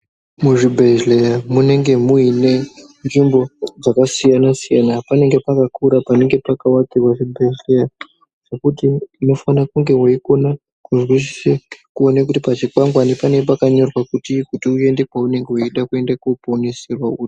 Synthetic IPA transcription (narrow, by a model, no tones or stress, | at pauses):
muʐibʱeʒlejamune̞ŋɡe̞muine̞nʐimbo̞d͡zakasijanasijanapane̞ŋɡe̞pakakʰuɾapane̞ŋɡe̞pakawakirwaʐibʱe̞ʒleja | ʐ̥ekutiːno̞fanakuŋɡe̞waiko̞na | kuʐiriʃi̥sekuo̞nak̬utipat͡ʃikwaŋɡwanepaneɡpakaɲo̞rwakutikutiue̞nde̞kwaune̞ŋɡe̞wuiɗakue̞ndakuponeserwauːri